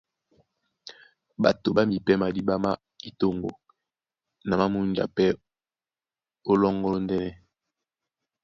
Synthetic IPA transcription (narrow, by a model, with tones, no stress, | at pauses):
ba̰˨to˨ba˦mi˨pɛ˦ma˨di˦ba˦ma˦ | i˨to˦ŋɡo̰˨ | na˨ma˦mu˦nd͡ʒa̰˨pɛ˦ | o˦lɔ˦ŋɡɔ˦lo˦ndɛ˦nɛ˦